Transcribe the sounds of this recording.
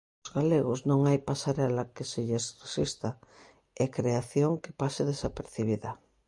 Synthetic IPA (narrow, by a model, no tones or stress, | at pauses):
ʊzɣaleɣoznõŋajpasaɾɛlakeseʎesresist̪a | ɛkɾeaθjoŋke̥pasɪðesapeɾθiβ̞iðɐ